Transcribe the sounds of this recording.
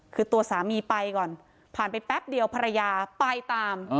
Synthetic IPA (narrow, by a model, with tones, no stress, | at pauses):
kʰɯː˧t̪u˧ɐsaː˩˦miː˧pa˧jkɔː˨˩n | pʰaː˨˩npa˧jpɛ˦˥p̚di˧əwpʰa˧ɾa˧jaː˧pa˧jt̪aː˧m